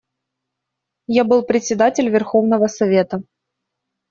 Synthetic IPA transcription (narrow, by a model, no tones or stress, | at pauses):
jabɨlˠpɾʲɪtʲsʲɪd̪atʲɪlʲvʲɪrxo̞vnəvəsɐvʲe̞t̪ə